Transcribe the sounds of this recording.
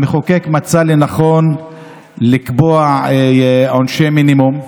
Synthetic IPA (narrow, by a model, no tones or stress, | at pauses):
meχokekmat͡salenaχo̞n | likboa | onʃeminimum